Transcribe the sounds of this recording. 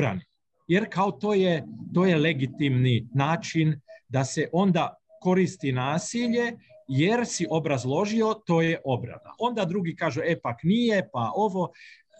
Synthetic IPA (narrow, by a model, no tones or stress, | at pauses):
ɾa̰ni | jeɾkaot̪o̞ːjet̪oje̞le̞ɡit̪imninaːt͡ʃind̪aseʔo̞nd̪a | ko̞ɾist̪inaːsiʎe̞jeɾsiʔo̞bɾazlˠo̞ʒio̞t̪o̞ːjeʔo̞bɾa̰na̰ʔo̞nd̪ad̪ɾuɡikaːʒuepaknije̞pao̞ʋo̞